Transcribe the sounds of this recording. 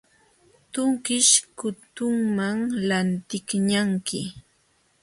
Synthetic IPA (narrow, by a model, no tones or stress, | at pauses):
t̪ʊŋkɪʃkʊt̪ʊŋmaŋlant̪ɪkɲaŋkɪ